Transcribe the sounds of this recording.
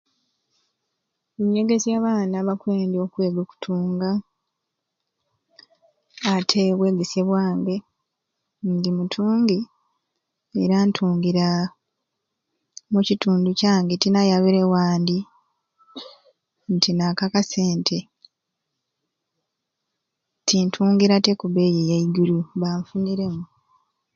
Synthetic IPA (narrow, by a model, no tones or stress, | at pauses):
eɲe̞ɡe̞zjaːβaːnaβakweːndio̞kwe̞ːɡoku̥tʰuːŋɡa | tʰeβwe̞ːɡesjeβwaːŋɡe̞ | ndimutʰuːŋɡi | eɾaːntʰuːŋɡiɾa | mucituːnducaːŋɡetinajaβiɾe̞waːndi | ntʰinakakase̞ːntʰe̞ | tʰintʰuːŋɡiɾatekuβe̞jejaiɡuluβaɱfuniɾe̞mu